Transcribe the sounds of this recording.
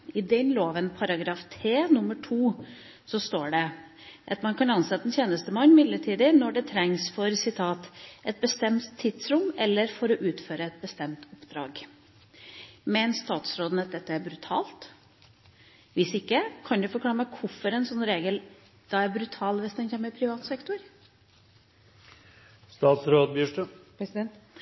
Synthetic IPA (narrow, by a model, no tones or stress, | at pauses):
ɪd̪ɛnloːʋənpʰɑɾɑɡɾɑːft̪ʰɾeːnʊmːəʈʰuː | sɔst̪oːɖɛ | ʔɑt̪mɑnkʰɑnɑnsɛt̪əəɛnt̪jeːnəst̪əmɑnːmɪd̪ləʈʰiːd̪ənɔɖɛt̪ʰɾɛŋsfɔɾsɪt̪ʰɑːt̪ʔɛt̪̚bəst̪ɛmt̪ʰːɪd̪sɾʊmɛlːəɾfɔɾɔʔʉːt̪føːɾəɛt̪̚bəst̪ɛmt̪ʊpːd̪̥ɾɑ̰ːɡ | mɛnst̪ɑːt̪sɾoːd̪ənət̪̚d̪ɛt̪ːəæɾbɾʉt̪ʰɑːlt̪ | ʋɪsɪkːəkʰɑnd̪ʉfɔɾklɑːɾmɛkʰʊfɔɾɛnsɔnːɾeːɡəl | d̪̥ɑæɾbɾʉt̪ʰɑːlʋɪsd̪ɛnçeːməɾpʰɾɪʋɑːt̪sɛkt̪ʊɾ | st̪ɑːt̪sɾoːd̪̚bjʉːʂʈə